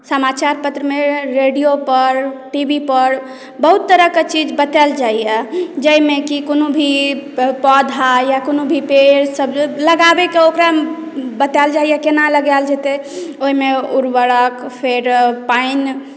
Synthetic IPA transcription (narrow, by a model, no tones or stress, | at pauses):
səmat͡ʃaɾpət̪ɾəmeɾeɖijopəɾʈibipəɾ | bəɦut̪ːəɾəket͡ʃid͡ʒbət̪ɛld͡ʒaijɛd͡ʒəjmekikonobʱipɔd̪ʱajakonobʱipeɾsəbləɡabekeokɾa | bət̪ɛld͡ʒaijɛkenaləɡald͡ʒet̪eoɦimeuɾʋəɽəkpʰeɾpain